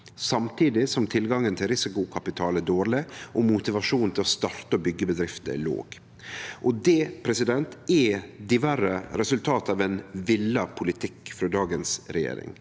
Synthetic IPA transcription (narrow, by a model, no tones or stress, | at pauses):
sɑmt̪ʰiːd̪ɪsɔmt̪ʰɪlɡɑŋːənt̪ʰɪlɾɪsɪkʊkʰɑpɪt̪ʰɑːlæd̪oːɾɭɪʔɔmʊt̪ɪʋɑʂuːnn̩t̪ɪlɔst̪ɑɾt̪əɔbʏɡːəbəd̪ɾɪft̪ə̰lo̰ːɡ̥ | ʔɔd̪ɛpʰɾɛsɪd̪ɛnt̪ɛd̪ɪʋæɾəɾɛsʉlt̪ʰɑːt̪ɑːʋɛnʋɪlːɑpʰʊlɪt̪ʰɪkːfɾoːd̪ɑːɡənsɾɛjḛːɾɪ̰ŋ